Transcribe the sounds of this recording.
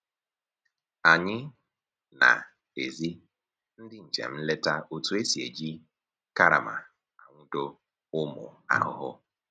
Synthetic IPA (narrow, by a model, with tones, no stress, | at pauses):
a˨ɲɪ˦ | na̰˨ | e˨zi˦ | n̩˦dɪ˦ɲ̩˨t͡ʃḛ˨m̩˦le˦ta˦ʔo˦tu˦e˦si˨ḛ˨d͡ʒi˦ | ka˦ɾa̰˨ma̰˨ | a˨ŋʷʊ˦do˦ | ʊ˦mʊ̰˨a̰˨hʊ̰˦ɦʊ˦